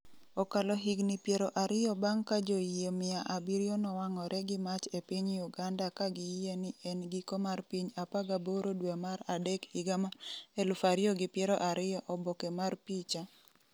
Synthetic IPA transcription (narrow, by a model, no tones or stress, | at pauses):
ɔkalɔɦiɡnɪpjeɾoʔaɾɪjɔbaŋkad͡ʒoiemɪaʔabiɾijonɔwaŋɔɾɛɡɪmat͡ʃepiɲiuɡandakaɡɪjenɪɛnɡɪkɔmarpiɲapaɡaboɾodwemaɾadɛkiɡamaɛlʊfaɾɪɔɡɪpjɛɾɔʔaɾɪɔʔɔbɔkɛmarpit͡ʃa